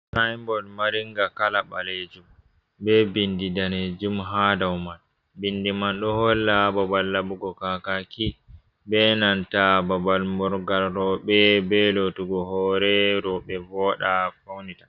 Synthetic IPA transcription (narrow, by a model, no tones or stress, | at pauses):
sajmbɔlmaɾiŋɡakalaba̰led͡ʒum | bɛbindidaned͡ʒumɦadawman | bindimanɗɔhɔlːababalːabuɡɔkakaki | bɛnantababalmɔɾɡalɾɔɓɛbɛlotuɡɔhɔɾɛɾɔɓɛvɔɗafawnitḁ